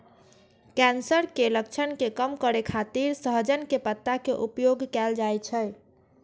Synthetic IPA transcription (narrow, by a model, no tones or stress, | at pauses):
kɛnsəɾkelək̚t͡ʃʰənkekəmkəɾekʰat̪iɾsəɦd͡ʒənkepət̪ːakeʔupjoɡkɛld͡ʒajt͡ʃʰəj